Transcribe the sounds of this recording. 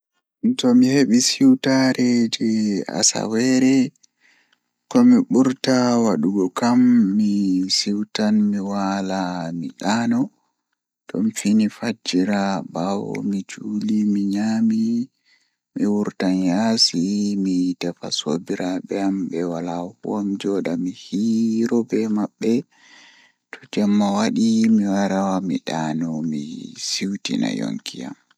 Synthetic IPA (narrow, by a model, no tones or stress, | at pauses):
ntɔmiheɓisiwtaɾʔɛd͡ʒɛa̰sa̰wɛɾɛ | kɔmiɓuɾtawaɗuɡɔkamːisiwtanmiwalamiɗaːnɔ | tɔ̰mfinifad͡ʒiɾabawɔ̰mid͡ʒulimiɲami | miwuɾtanjasimitɛfasobiɾabɛambɛwalahṵamd͡ʒɔɗamihiɾɔbɛmaɓːɛ | tʰɔ̥d͡ʒɛmːawaɗimiwaɾawamiɗaːnɔmisiwtḭna̰jo̰ŋkija̰m